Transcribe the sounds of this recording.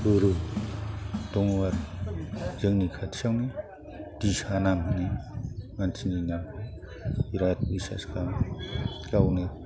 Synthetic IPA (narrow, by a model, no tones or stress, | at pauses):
buɾu | dɔŋwaɾ | zɯŋnikʰatʰsawni | disanamɦɯnimansʰininam | iɾat̚bisa̰skam | kawne